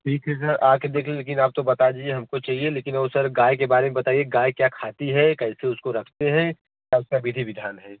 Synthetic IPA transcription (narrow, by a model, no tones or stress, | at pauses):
ʈʰiːkɦɛs̬ɐɾaːked̪eːkʰliẽleːkɪnaːp̚t̪obɐt̪ad͡ʒieɦɐmkot͡ʃaːɦieleːkɪnɐosɐɾɡaːjkebaːɾemẽbɐt̪aːieɡaːjkjaːkʰaːt̪iɦɛkɛɪseʊskoɾɐkʰt̪eɦɛ̃ | kjaːʊskabɪd̪ʱiʋɪd̪ʱaːnɦɛː